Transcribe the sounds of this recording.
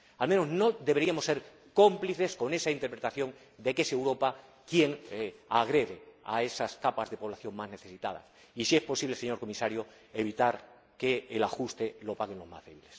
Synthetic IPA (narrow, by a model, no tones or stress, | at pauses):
almenozno̞d̪eβe̞ɾiamosːe̞ɾ | ko̞mpliθe̞sko̞ne̞saint̪eɾpɾet̪aθjõ̞ŋ | d̪e̞ke̞sewɾo̞pa | kje̞ŋaɣ̞ɾe̞ðea̰e̞saskapazðe̞po̞β̞laθjõ̞ŋmazne̞θe̞sit̪a̰ða̰s | isie̞spo̞siβleeɲo̞ɾko̞misaɾjo | eβit̪aɾ | keːlaxust̪elo̞paɣe̞nlo̞zma̰zðe̞βile̞s